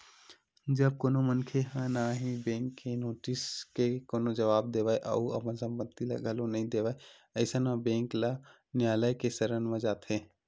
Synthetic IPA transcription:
d͡ʒɐb̚koːnomənkʰeɦãnaɦibẽːŋkʰːenoːʈɪskekoːnod͡ʒɐʋaːb̚d̪eːʋaeʔɐ̰uɐ̰pənsə̃mpət̪ːila̰ɡʱəlonɐɦĩd̪eːʋae | əɪsanabẽːŋkla | njaːləjkesɐɾənmə̃d͡ʒaːt̪ɦẽː

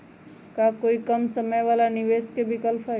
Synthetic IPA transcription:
kakoːikɐmsəməjʋaːlanɪʋeːskebʱɪkəlpʰa

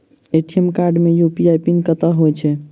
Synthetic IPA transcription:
eʈiemkaɾɖmejupiajpinkət̪aɦojt͡ʃʰɛ

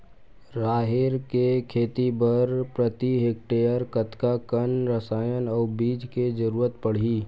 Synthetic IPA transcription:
ɾaːɦeɾkekʰeːt̪ibəɾpɾət̪iɦeːk̚ʈeːəɾkət̪kakənɾəsaːjənɔːɾbiːd͡ʒked͡ʒəɾuːɾət̪pəɽ̤iː

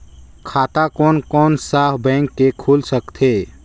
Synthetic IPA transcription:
kʰaːt̪akɔːnkɔnsabɛ̃ŋkːekʰulsəkt̪ʰe

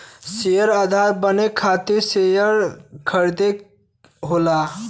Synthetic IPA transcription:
sejəɾəd̪ʱaɾbənekʰːat̪iɾsejəɾkʰəɾd̪e | ɦola

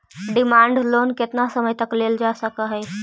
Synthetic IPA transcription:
ɖimaɳɖlonket̪nasəməjt̪əkleld͡ʒasəkəɦɛj

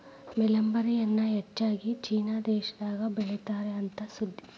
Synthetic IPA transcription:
mɛlɐmbɐɾijɐnːɐɦɛt͡ʃːaːɡit͡ʃiːnaːd̪ɛːʃɐd̪aːɡɐbeɭit̪aːɾeɐnt̪ɐsud̪ʱːi

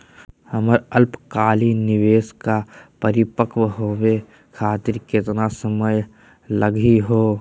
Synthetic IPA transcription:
həməɾəlpkaːlinɪʋeːskapəɾɪpəkwɦoːwe | kʰaːt̪ɪɾkɪt̪nasəməj | ləɡiɦoː

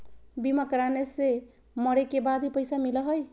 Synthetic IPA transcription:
bimakɾanese | mʌɾekebad̪ʱipəjsamilʌɦʌj

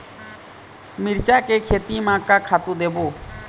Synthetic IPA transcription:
miɾt͡ʃakɛkʰet̪imakakʰat̪ud̪ɛbɔ

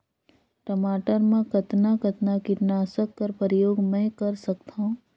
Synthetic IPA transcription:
ʈɐmaːʈəɾmẽkɐt̪nakɐt̪nakit̪naːsəkːɐɾpəɾjoːɡmɛ̃kɐɾsɐkt̪aũ

